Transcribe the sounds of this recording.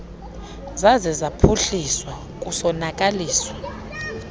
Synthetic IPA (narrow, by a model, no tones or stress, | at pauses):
zazɛzapʰuɬiswa | k̬ʼusɔnak̬ʼaliːswa